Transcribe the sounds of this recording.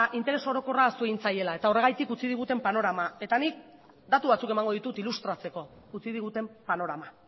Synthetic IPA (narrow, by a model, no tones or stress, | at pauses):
ʔint̪e̞ɾe̞so̞ɾo̞ko̞rasueint͡saje̞lae̞t̪ao̞re̞ɣ̞ajt̪ikut͡sið̞iɣ̞ut̪e̞mpano̞ɾamae̞t̪anik̚ | d̪at̪uβat͡suke̞maŋɡo̞ð̞it̪ut̪ilust̪ɾat͡se̞ko̞ | ut͡sið̞iɣ̞ut̪e̞mpano̞ɾama